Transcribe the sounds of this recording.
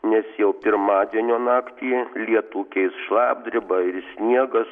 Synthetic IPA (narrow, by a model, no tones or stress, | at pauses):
nʲɛsjɛʊpʲɪɾmɑːd̪ʲiɛnʲoːnɑːkt̪ʲiːlʲiɛt̪uːkʲɛɪsʃlˠɑːb̚ʲd̪ʲɾʲɪbɐɪɾsʲnʲiɛɡɐs